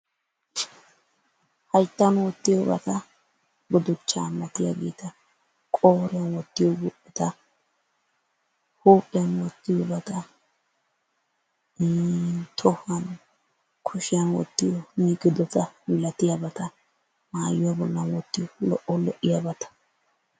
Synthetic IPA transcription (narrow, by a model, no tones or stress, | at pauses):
hɐjt̪ːɐnwɔt̪ːɪjɔbɐ̰t̪ɐ | ɡɔd̪ʊt͡ʃːaːmːɐt̪ɪja̰ɡɛ̰ːt̪ɐ | kʼoːɾɪjɐnwɔt̪ːɪjɔɡupːɛt̪ɐ | huːpʼːɪjɐnwɔt̪ːɪjɔbɐt̪ɐ | t̪ʰɔhɐn | kʰʊʃɪjɐnwɔ̰t̪ːɪjɔmiːɡɪd̪ɔt̪ɐmɪlɐt̪ɪjabɐt̪ɐ | maːjʊwabɔlːɐnwɔt̪ːɪjɔlɔʔɔlɛʔːɪjabɐt̪ɐ̥